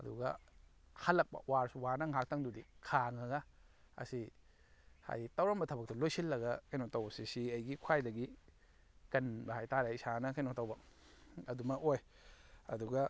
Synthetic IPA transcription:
ɐ̰dṵɡɐ | hɐlːɐk̚pɐ̰waɾsuwanɐŋak̚taŋdudikʰaŋɐɡɐ | ɐ̰si | ha̰jtɐwɾɐmbɐtʰɐbɐk̚tɐlojsilːɐɡɐkɐjnotawbɐsisiɐjɡikʰwajdɐɡi | kɐnbɐhajtaɾajsanɐkɐjnotawbɐ | ɐdumɐkoj | ɐ̰duɡɐ

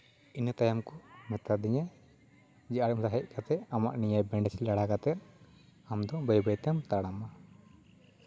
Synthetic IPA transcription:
int̪ajamkɔmɛt̪ad̪iɲa | d͡ʒiʔaɽmt̪aɦɛc̚kat̪ɛʔama̰ʔniɲabɛɳɖɛsilaɽakat̪ɛ | amd̪ɔbəjbəjt̪ɛmt̪aɽama

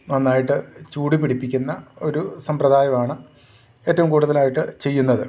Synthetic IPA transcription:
nɐnːaːjiʈːɨt͡ɕuːɽipːiɽipːikʲːunːɐo̞ɾusɐmprɐd̪ʱaːjɐmaːɳɨ | e̞ːtːɐʋumkuːɽuðɐlaːjiʈːɨt͡ɕe̞jːunːɐðɨ

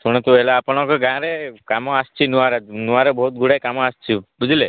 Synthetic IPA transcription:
suɽ̃ɔt̪uelaapɔɽ̃ɔkɔɡãɾekamɔast͡ʃʰinuaɾenuãɾebɔɦut̪̚ɡʱuɽajkamɔast͡ʃʰibud͡ʒile

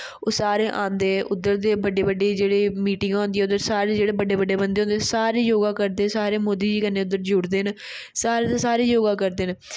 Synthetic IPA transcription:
oːsaːɾeːʔãːnd̪eːʔʊd̪əɾd̪eːbəɖeːbəɖeːd͡ʒeːɽeːmiːʈɪ̃ŋɡɦõːnd̪iːɛːʊd̪əɾsaːɾeːd͡ʒeːɽeːbəɖeːbəɖeːbənd̪eːõːnd̪saːɾeːjoːɡãːkəɾd̪eːsaːɾeːmoːd̪iːd͡ʒiːkənːeːʊd̪əɾd͡ʒʊɽd̪eːn | saːɾeːt̪aːsaːɾeːjoːɡãːkəɾd̪eːn

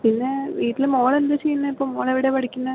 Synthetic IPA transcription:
pinːeʋiːʈːilmoːɭend̪ɐt͡ɕejːunːɐipːoːmoːɭeʋiɽeʋɐɽikʲːunːɐ

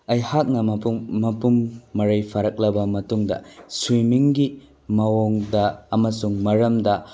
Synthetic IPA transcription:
ɐjhak̚nɐmɐpumːɐɾɐjpʰaɾɐk̚lɐbɐmɐtuŋdɐ̰swimiŋɡi | mɐwoŋdɐɐmɐsuŋmɐɾɐmdɐ

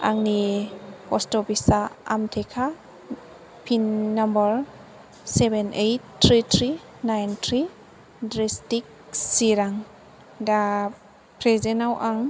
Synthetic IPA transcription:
a̰ŋnipɔstɔbisaa̰mtʰekʰa | pʰinːambaɾ | sebenʔejtːʰɾitʰɾi | najntʰɾi | dɾestik̚siɾaŋ | da | pʰɾezenawʔaŋ

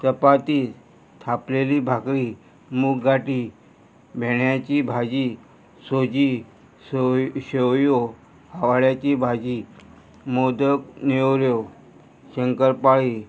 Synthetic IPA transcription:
t̪əpat̪iː | t̪ʰapleliːbʱakɾiː | muːkɡaʈiː | bʱeɳjat͡ɕibʱad͡ʑi | sod͡ʑi | ɕewjo | haʋaɭjat͡ɕiːbʱad͡ʑi | mod̪əknewɾjo | ɕəŋkəɾpaɭiː

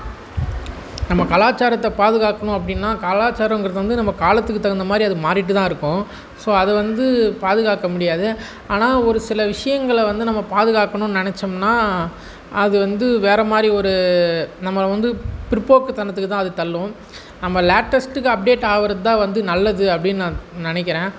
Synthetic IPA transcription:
nɐmːɐkɐlaːt͡ʃːaːɾɐt̪ːɐpaːðɯɣaːkːɐɳʊ̃ɐp̬ːɐɽɪnːaːkalaːt͡ʃːaːɾɐ̃ŋɡɪɾɐðɯʋɐnd̪ɯnɐmːɐkaːlɐt̪ːɯkːɯt̪ːɐɣɐnd̪ɐmaːd̪ɾiɐðɯmaːɾɪʈ̬ːɯt̪ãːɪɾɯkːʊ̃ | soːɐðɯʋɐnd̪ɯpaːðɯɣaːkːɐmʊɽɪjaːðɯ | aːnaːɔɾɯsɪlɐʋɪʂɐjɐŋɡɐɭʋɐnd̪ɯnɐmːɐpaːðɯɣaːkːɐɳʊ̃nɪnɛt͡ʃːɐmnaː | ɐðɯʋɐnd̪ɯʋeːɾɐmaːd̪ɾiɔɾɯnɐmːɐʋɐnd̪ɯpɪɾpoːkːɯt̪ɐnɐt̪ːɯkːɯt̪ãːɐðɯt̪ɐlːʊ̃ | nɐmːɐlaːʈːɐsʈɯkːɯɐp̚ɖeːʈːaːʋɐɾɐt̪ːãːʋɐnd̪ɯnɐlːɐðɯɐpːɐɽɪnːnãːnɪnɛk̬ːɪɾẽː

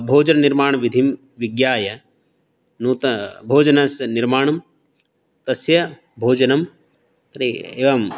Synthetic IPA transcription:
bʱoːd͡ʒɐnɐniɾmaːɳɐʋid̪ʱim | ʋiɡjaːjɐ | nuːt̪ɐbʱoːd͡ʒɐnɐsniɾmaːɳɐm | t̪ɐsjɐ | bʱoːd͡ʒɐnɐm | t̪ɾieːʋɐm

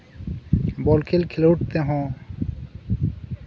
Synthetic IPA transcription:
bɔlkʰelkʰeloʈ̚t̪eɦɔ̃

